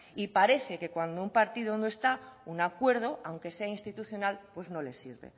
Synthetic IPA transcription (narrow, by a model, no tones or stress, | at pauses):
ipaɾe̞θe̞ke̞kwand̪oumpaɾt̪iðonoe̞st̪aunakwe̞ɾð̞o̞awŋke̞se̞ainst̪it̪uθjo̞nalpwe̞zno̞le̞̰siɾβḛ